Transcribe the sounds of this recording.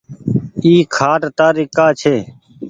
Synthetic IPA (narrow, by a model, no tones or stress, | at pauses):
iːkʰaːʈt̪aːɾɪːkaːt͡ʃʰeː